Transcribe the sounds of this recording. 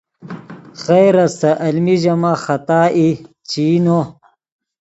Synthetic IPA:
xejɾɐsɐʔɐlmiʑɐmaːxɐt̪aːʔit͡ɕiːno

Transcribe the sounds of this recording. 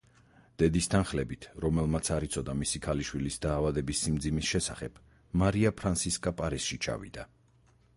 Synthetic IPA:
d̪̥ɛd̪ist̪ʰanχlɛbit̪ʰɾɔmɛlˠmat̪sʰaɾit̪sʰɔd̪amisikʰaliʃwilisd̪aːvad̪ɛbisːimd̪zimisʃɛsaχɛb̥ | maɾiapʰɾansiskʼapʼaɾisʃit͡ʃʰa̰vḭd̪̥a

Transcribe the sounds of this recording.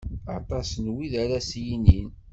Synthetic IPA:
ɑt̪ˤɑsnwiðaɾæsjinin

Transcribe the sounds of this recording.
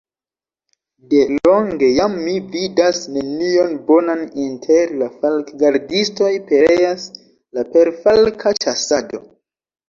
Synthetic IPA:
de̞lo̞ŋɡe̞jamːividasne̞nio̞nbo̞nanintʰeɾlafalkɡaɾdisto̞jpe̞ɾe̞jas | lape̞ɾfalkʰat͡ʃasado̞

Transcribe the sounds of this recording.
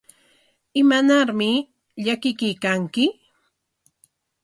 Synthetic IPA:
ɪmanaɾmɪ | ʎakɪkɪjkaŋkɪ

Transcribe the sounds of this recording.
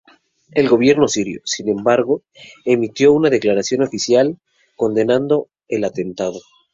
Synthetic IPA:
e̞lɣo̞β̞je̞ɾno̞siɾjo̰sinẽ̞mbaɾɣo | e̞mit̪jo̞unað̞e̞klaɾasjo̞no̞fisjal | ko̞nd̪e̞nand̪o̞ | elat̪e̞nt̪aðo̞

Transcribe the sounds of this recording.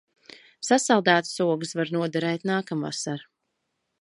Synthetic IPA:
sasalˠd̪æːt̪suɔɡɨsvaɾnuɔd̪aɾɛjt̪naːkamva̰saɾ

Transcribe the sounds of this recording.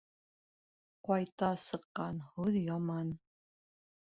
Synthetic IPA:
qɑjt̪ɑsɤ̆qːɑnhuðjɑmɑn

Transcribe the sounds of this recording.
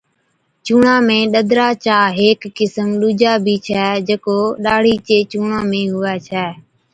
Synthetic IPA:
t͡ʃuːɳãːmẽːɗəd̪ʱɾaːt͡ʃaːɦeːkːɪsəmɗuːd͡ʒaːbʱiːt͡ʃʰɛːd͡ʒeːkoːɗaːɽ̤iːt͡ʃeːt͡ʃuːɳãːmẽːɦʊɛːt͡ʃʰɛː

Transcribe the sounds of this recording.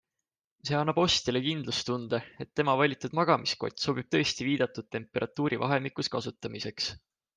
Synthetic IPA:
se̞ɑnːɑb̥o̞st̪ilekind̪lust̪und̪̥ee̞t̪ːe̞mɑvɑlʲit̪ːˑud̪̥mɑɡ̥ɑmisko̞̰t̪ʲːˑso̞b̥ib̥̚t̪ɤ̞est̪iviːd̪̥ɑt̪ːˑud̪̥̚t̪e̞mpːe̞ɾʔɑt̪ːˑuːɾʔivɑ̰ɦe̞mikˑuskɑsut̪ːˑɑmise̞ks

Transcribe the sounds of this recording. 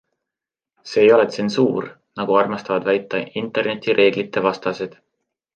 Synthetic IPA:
seːjo̞let̪sensuːr | nɑɡ̥uɑrmɑst̪ɑvɑd̪̥væjt̪ːˑɑint̪ːˑe̞rne̞t̪ʲːˑiɾʔe̞ːɡ̥lit̪ːˑe̞vɑst̪ɑsed̪̥

